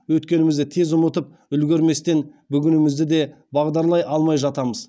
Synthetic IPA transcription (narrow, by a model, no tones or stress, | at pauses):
wɵt̪kʲe̞nɪmɪzd̪ɪt̪ʰe̞zʊmət̪əp̚ | ʏlɡʲeɾme̞st̪e̞nbʏɡʲɪnɪmɪzd̪ɪd̪e̞ | bɑʁd̪ɑɾlˠɑjɑlˠmɑjʒɑt̪ɑməz